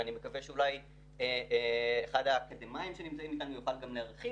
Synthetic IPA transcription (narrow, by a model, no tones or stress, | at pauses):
anime̞kaveʃeulaj | eeeχad̪akad̪emaimʃenimt͡saimikanjuχalɡamleaʁχi